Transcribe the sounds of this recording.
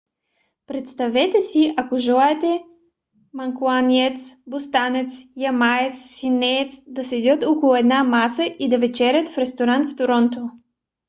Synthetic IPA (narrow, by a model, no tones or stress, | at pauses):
pɾɛt̪st̪ɐvɛt̪ɛsiʔakoʒɛlˠaɛt̪ɛ | mɐŋkuaniɛt̪sbost̪anɛt̪sjamaɛt̪sːinɛt̪sd̪ɐsɛd̪ʲɤt̪ɔkolˠʊɛd̪namasəʔid̪ɐvɛt͡ʃɛɾʲət̪fɾɛst̪oɾant̪ft̪oɾɔnt̪o